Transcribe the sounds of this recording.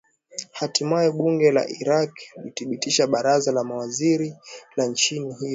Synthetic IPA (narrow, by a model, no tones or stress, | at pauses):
hatimajɔɓuŋɡɛla̰ʔiɾaklḭθiɓitiʃaɓaɾazalamawaziɾilant͡ʃiniɦij